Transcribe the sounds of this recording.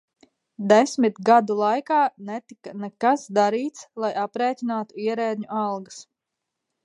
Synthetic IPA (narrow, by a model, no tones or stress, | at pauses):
d̪esʲmit̪ɡad̪ulˠajkaːnɛt̪ikanɛkasd̪aɾiːt̪slˠajapɾɛːtʲinaːt̪uiɛɾɛːd̪ʲɲuʔalˠɡɨs